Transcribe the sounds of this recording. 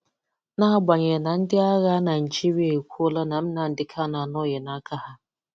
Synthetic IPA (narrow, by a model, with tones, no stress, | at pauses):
na˦ɦa˦ɡ͡bʷa˨ɲe˨na˨n̩˦dɪ˦a˦ɣa˦na˨n̩˨t͡ʃi˦ɾi˦e˦˨kʷu˦o˦la˦na˨m̩˦na˨n̩˦dɪ˦kʰa˦na˨nɔ˦je˨na˦kʰa˦ha˦